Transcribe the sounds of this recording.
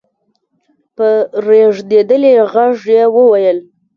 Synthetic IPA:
pəɾeʐd̪ed̪əleɣaʐjewəwajəl

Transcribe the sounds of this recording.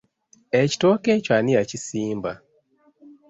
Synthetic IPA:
eci̥tokecwanijacisiːmba

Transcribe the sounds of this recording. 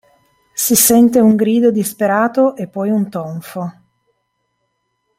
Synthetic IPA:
sisɛnt̪euŋɡɾiːd̪od̪ispeɾaːt̪oʔepːɔjunt̪oɱfo

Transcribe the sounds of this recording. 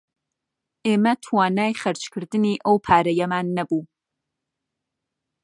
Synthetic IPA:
eːmɐtʰwaːnaːjχɐrt͡ʃʰkʰɨrdɨniːʔowpʰaːɾɐjɛmaːnːɐbuː

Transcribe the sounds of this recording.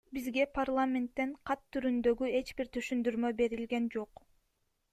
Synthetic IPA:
bizɡe̞pʰarlˠamʲe̞nt̪ːe̞ɴqʰɑt̪ʰːyɾynd̪ø̞ɡye̞t͡ʃbiɾt̪ʰyʃynd̪yɾmø̞be̞ɾilɡe̞nd͡ʒo̞q

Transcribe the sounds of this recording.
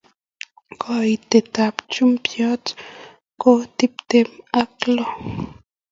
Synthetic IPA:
kait̪et̪apt͡ʃumpjot͡s | kot̪ip̚t̪emaklo

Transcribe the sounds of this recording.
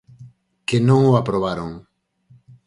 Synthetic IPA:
kenõŋoapɾoβ̞aɾoŋ

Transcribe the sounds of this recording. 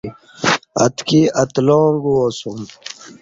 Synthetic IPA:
ɐ̰t̪kiɐt̪loːŋɡuwosum

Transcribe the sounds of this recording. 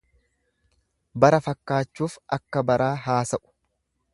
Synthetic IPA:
bɐɾɐfɐkːaːt͡ʃːuːfɐkːɐbɐɾʔaːɦaːsɐʔʊ̥

